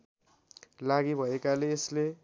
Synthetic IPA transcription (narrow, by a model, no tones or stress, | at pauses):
laɡibʱʌekaleːsle